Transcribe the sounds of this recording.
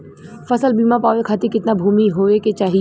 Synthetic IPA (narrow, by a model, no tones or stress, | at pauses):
fɐsəlbiːmãpaːʋekʰaːt̪ekɪt̪nabʱuːmiɦoːeket͡ʃaːɦi